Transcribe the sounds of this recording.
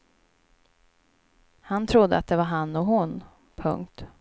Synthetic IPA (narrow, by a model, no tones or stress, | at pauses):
hant̪ʰɾʊd̪ːəat̪̚d̪ɛvaɾɦanːɔɦʊn | pʰɵ̰ŋkt̪